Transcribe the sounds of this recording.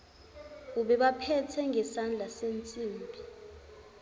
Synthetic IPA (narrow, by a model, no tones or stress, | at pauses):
uɓɛɓapʰɛtʰɛŋɡʱɛsand͡ɮʱasent͡sʼiːmbʱi